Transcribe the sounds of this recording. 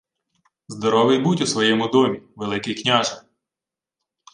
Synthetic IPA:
zd̪ɔɾɔʋɪjbutʲusʋɔjɛmʊd̪ɔmʲiʋelˠɪkɪjknʲaʒ

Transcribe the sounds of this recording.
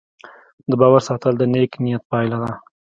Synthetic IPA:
d̪əbɑwaɾsɑt̪əld̪əneknijat̪̚pɑjlad̪a

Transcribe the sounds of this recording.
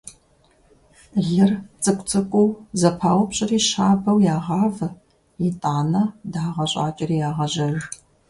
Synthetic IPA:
ɮɨrt͡sʼɨkʷʼt͡sʼɨkʷʼʊwzɐpʰaːwʊpɕʼɪriːɕaːbɐwjaːʁɑːv | jitʼaːnɐdaːʁɐɕʼa̰ːt͡ʃʼɪriːjaːʁɐʑɐr

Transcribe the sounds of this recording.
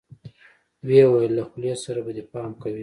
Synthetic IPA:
wewajəlːaxʊljasaɾabad̪epɑmkawi

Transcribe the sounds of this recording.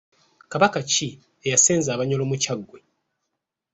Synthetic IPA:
kaβakaci | ejaseːnzaːβaɲolomucaɡːwe̞

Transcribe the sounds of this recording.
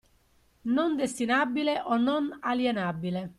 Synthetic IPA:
nond̪est̪inabːileʔonːonaljenabːile

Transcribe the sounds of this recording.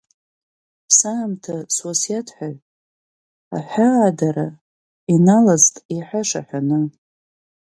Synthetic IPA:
saːmtʰaswasjatʰħʷᶣaʕʼ | a̰ħʷᶣaːdaɾa | inalaztʼiħʷaʂa̰ħʷᶣanɨ

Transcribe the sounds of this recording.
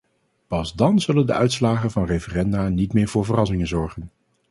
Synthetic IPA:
pɑzdɑnzɵləndə̰œɥtslaːχənvɑnrejfərɛndaːnitmɪːɹvʊːɹvərɑsɪŋənzɔɹχən

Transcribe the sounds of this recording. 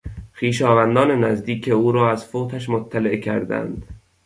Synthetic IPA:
xiːʃɒːvænd̪ɒːne̞næzd̪iːcʰeuːɾɒːæzfoːt̪ʰæʃmot̪ʰːæleʔcʰæ̰ɾd̪æ̰nd̪̥

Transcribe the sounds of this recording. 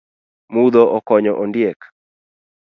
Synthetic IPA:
mud̪ɔʔɔkɔɲɔʔɔndjek

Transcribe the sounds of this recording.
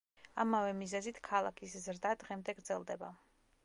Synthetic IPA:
amavɛmizɛzit̪ʰkʰalˠa̰kʰiszɾd̪ad̪ʁɛmd̪ɛɡɾd̪zɛlˠd̪ɛba

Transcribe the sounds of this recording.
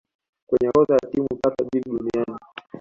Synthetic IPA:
kwɛɲɛɾɔzajatimupakaɓiɾiɗuniani

